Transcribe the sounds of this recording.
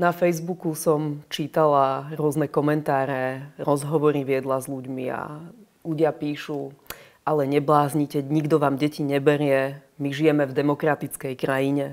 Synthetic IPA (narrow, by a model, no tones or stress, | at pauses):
nafɛjzbukusɔmt͡ʃiːt̪alaɾʊɔznɛkɔmɛnt̪aːɾɛɾɔzɦɔʋɔɾiʋɪɛd̪lazluɟmia̰ | luɟɪapiːʃu | ʔalɛɲɛblaːzɲicɛɲiɡd̪ɔʋaːmɟɛciɲɛbɛɾɪɛmiʒijɛmɛvd̪ɛmɔkɾat̪it͡skɛjkɾajiɲɛ